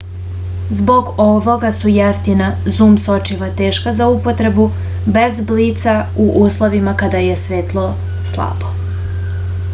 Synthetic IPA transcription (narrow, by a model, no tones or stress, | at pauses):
zbo̞ɡo̞ʋo̞ɡasujeft̪inazuːmso̞t͡ʃiʋat̪e̞ːʃkazaupo̞t̪ɾe̞bu | be̞zbliːt̪sauʔuːslˠo̞ʋimakad̪ajesʋe̞ːt̪lˠo | slˠa̰ːbo